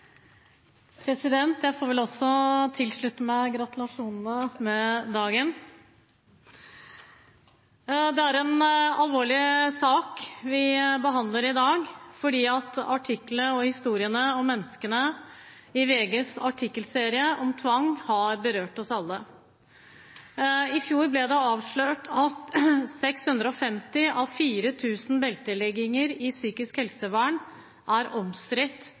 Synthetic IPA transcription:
pʰɾɛsɪd̪ɛnt̪jæɪfoːɾʋɛlɔsːɔt̪ʰɪlʂɭʉt̪ːəmæɡɾɑt̪ʉlɑʂuːnənəmɛd̪ɑːɡən | d̪ɛæɾɛnɑlʋoːɭɪsɑːkʋɪbəɦɑnd̪ləɾɪd̪ɑːɡfɔɖiːɑt̪ɑʈʰɪkːləɔhɪst̪uːɾɪənəɔmːɛnːəskənə | ɪʋeːɡəsɑʈʰɪkːəlseːɾɪəʔɔmt̪ʰʋɑŋːhɑɾbəɾøːʈɔsɑlːə | ɪfjuːɾblɛd̪ɛɑːʋʂɭøːʈʰɑt̪sɛkshʉnd̪ɾəɔfɛmt̪ɪʔɑʋfiːɾət̪ʰʉːsnbɛlt̪əlɛɡɪŋəɾɪsyːkɪskhɛlsəʋæːɳ | ʔæɾɔmst̪ɾɪt̪ː

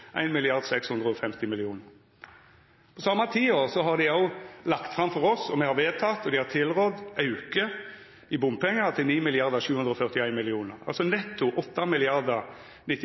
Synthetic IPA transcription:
ʔæ̰ɪnmɪlɪɑʁd̪sɛkshʉnd̪ʁəɔfɛmt̪ɪmɪlɪuːnəʁ | pʰɔsɑmːɑt̪ʰiːoːʁsɔɦɑʁd̪ɪɑʊlɑkt̪fʁɑmfɔɾɔsɔmɛhɑʋeːt̪ʰɑt̪ɔd̪ɪhɑt̪ʰɪlʁɔd̪ɑʉkə | ɪbʊmpɛŋːət̪ʰɪlniːmɪlɪɑʁd̪əʃʉːʉnd̪ʁəɔfœʁt̪ɪæɪnmɪlɪuːnəʁɑ̰lsɔnɛt̪ːʊʔɔt̪ːɑmɪlɪɑʁd̪ə | nɪt̪ː

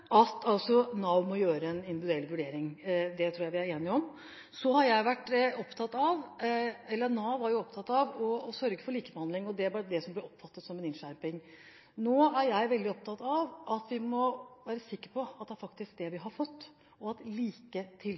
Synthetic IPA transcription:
ʔɑt̪ɑlsɔnɑʊmɔjøːɾəɛnɪnd̪ɪʋɪd̪ʉɛlːʋʉɖeːɾɪŋd̪ɛt̪ʰɾuːjæɪʋɪæɾeːnɪɔm | sɔhɑɾjæɪʋæʈːɔpt̪ʰɑt̪ɑʋɛlːənɑːʋɑɾjʊɔpt̪ʰɑt̪ːɑʋɔsœɾɡəfɔɭiːkəbəhɑnd̪lɪŋɔd̪ɛæbɑɾd̪ɛsɔmblɪɾɔpːfɑt̪ːət̪sɔmɛnɪnʂæɾpɪŋ | noːæɾjæɪʋɛld̪ɪɔp̚t̪ʰɑt̪ɑʋʔɑt̪ʋɪmɔʋæːɾəsɪkːəɾpʰɔɑt̪̚d̪ɛæɾfɑk̚t̪ɪsk̚d̪ɛʋɪɦɑɾfɔt̪ː | ɔɑt̪liːkət̪ʰɪl

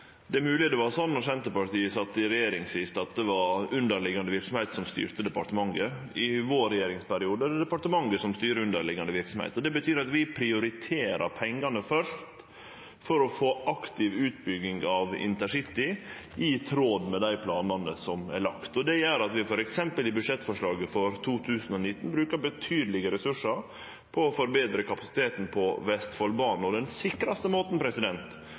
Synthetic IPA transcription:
d̪ɛæɾmʉːlɪəd̪ɛʋɑɾsɔnːɔɾsɛnt̪əpɑʈiːəsɑt̪ːɪɾɛjeːɾɪŋsʋɪst̪ɑt̪̚d̪ɛʋɑɾʉnd̪əɾɭɪɡɑnd̪əʋɪɾksɔm̩hɛɪt̪sɔmst̪y̰ːɾt̪əd̪ɛpɑʈ̪əmɑŋə | ɪʋoːɾɛjeːɾɪŋspæɾɪuːd̪əd̪ɛpɑʈəmɑŋɡəsɔmst̪yːɾəʉnd̪əɭɪɡɑnd̪əʋɪɾksɔmhɛ̰ɪt̪ɔd̪ɛbət̪ʰyːɾɑt̪ʋɪpʰɾɪʊɾɪt̪ʰeːɾɑ̰ɾpʰɛŋːɑnəfœʂt̪ | fɔɾɔfoːʔɑkt̪ɪʋʉːt̪̚bʏɡɪŋɡɑʋɪ̰nt̪əʂɪt̪ːɪ | ɪt̪ʰɾoːd̪mɛd̪æɪpʰlɑ̰ːnɑnəsɔmæ̰ɭɑkt̪ɔd̪ɛjɛɾɑt̪ʋɪfɔɾɛksɛmpəlɪbʉd̪ʂɛt̪ːfɔʂɭɑːɡəfɔɾt̪ʰuːt̪ʰʉːsn̩ɔnɪt̪ːn̩bɾʉːkəɾbət̪ʰyːd̪əlɪɡəɾɛsʉʂːəɾ | pʰɔːfɔɾbeːd̪ɾəkʰɑpɑsɪ̥t̪ʰeːt̪n̩pʰɔʋɛst̪fɔlbɑːnn̩ɔd̪ɛnsɪkːɾɑst̪əmoːt̪n̩pʰɾɛsɪd̪ɛnt̪

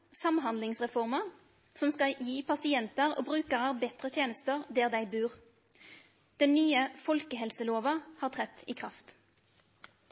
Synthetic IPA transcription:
sɑmɦɑnd̪lɪŋsʁɛfɔʁməʁ | sɔmskɑjiːpʰɑsɪɛnt̪əʁo̰ːbʁʉːkəʁəʁbɛt̪ʁət̪ʰjeːnəst̪əʁd̪eːʁd̪æɪbʉːʁ | d̪̥ɛnːyːəfɔlkəhɛlsəloːʋɑhɑːʁt̪ʰʁɛt̪iːkʰʁɑft̪

